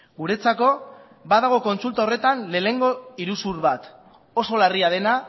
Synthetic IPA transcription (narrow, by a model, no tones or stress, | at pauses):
ɡuɾe̞t͡sako̞ | baðaɣ̞o̞ko̞nt͡sult̪aore̞t̪anle̞ːne̞ŋɡo̞iɾusuɾβat̪ | o̞so̞lariað̞e̞na